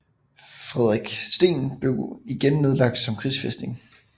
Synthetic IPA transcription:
fʁɛð̞ˠʁiɡ̥sd̥e̝̰ːnb̥le̝ʊiɡ̥enːe̝ð̞ˠlɑ̈ɡ̥̚d̥sɒ̽mkʰʁisfesd̥e̝ŋ

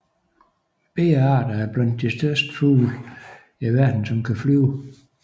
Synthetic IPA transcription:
b̥e̝ːɑ̈ːd̥ɐæɐb̥læn̰d̥ːisd̥ɶɐsd̥fṵːl | æʋæɐ̰d̥n̩sɒ̽mkʰæflyːʊ

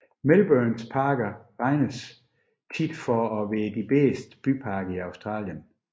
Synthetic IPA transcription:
melb̥ønspʰɑ̈ːɡ̥ɐʁɑ̈ɪnəs | t͡sʰid̥fɒɒʋeːd̥ib̥eːsd̥b̥ypʰɑ̈ːɡ̥əiɑ̈ʊsd̥ʁɑ̰̈ːljən

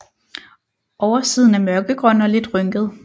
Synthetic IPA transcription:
ʔɒʊɐsið̞̰ˠn̩æmɶɐɡ̥əɡ̥ʁœn̰ɒ̽le̝d̥ʁœŋɡ̥əð̞̩ˠ

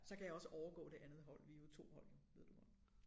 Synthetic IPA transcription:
sɒ̽kʰæjäɒ̽səʔɒʊɐɡ̥ɔ̰ːd̥e̝ʔænð̞̩ˠɦɒ̽l̰ʋiot͡sʰo̝̰ːhɒ̽l̰oʋe̝ð̰ˠd̥umɑ

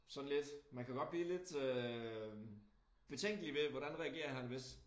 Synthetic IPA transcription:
sɒ̽n̩le̝d̥mænkʰæɡ̥ɒ̽d̥b̥liːle̝d̥ø | b̥e̝t͡sʰeŋ̰ɡ̥əliʋe̝ʋɒɾ̥ænʁɛɐɡ̥e̝̰ːɐɦænʋe̝s

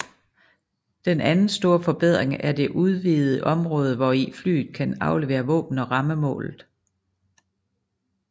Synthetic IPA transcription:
d̥enænn̩sd̥o̝ːɐ̰fɒ̽b̥eð̞̰ˠʁeŋæɐd̥e̝ʔuð̞ˠʋiːð̩ˠəʔɒ̽mʁɔ̽ːð̞ˠəʋɒifly̰ːð̩ˠkʰænɑ̈ʊle̝ʋe̝̰ːɐʋɔ̰̽ːb̥n̩ɒ̽ʁɑ̈məmɔ̰̽ːlð̩ˠ

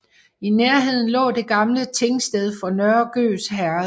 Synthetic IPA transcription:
ineɐɦe̝ð̞̰ˠn̩lɔ̰̽ːde̝ɡ̥ɑ̈mlət͡sʰe̝ŋsd̥eð̞ˠfɒ̽nœɐɡ̥ø̰ːsɦæɐ

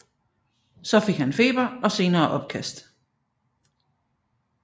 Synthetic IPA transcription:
sɒ̽fe̝ɡ̥hænfe̝̰ːb̥ɐɒ̽se̝ːnɐːʔɒ̽b̥̚kʰæsd̥

